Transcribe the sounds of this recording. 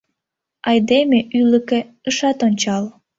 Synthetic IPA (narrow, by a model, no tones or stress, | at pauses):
ɑjd̪emeʔyləke | əʃɑt̪onʲt͡ɕɑl